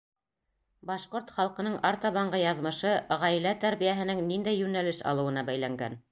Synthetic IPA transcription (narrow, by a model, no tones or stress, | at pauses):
bɑʃqoɾt̪χɑlˠqɤ̆nɤɴɑɾt̪ɑβɑɴɢɤjɑðmɤ̆ʃɤʁæjlæt̪æɾβijæɦɘ̆nɘŋnind̪æjːʉnælɘʃɑ̰lˠɤ̆wɤ̆nɑbæjlæŋɡæ̰n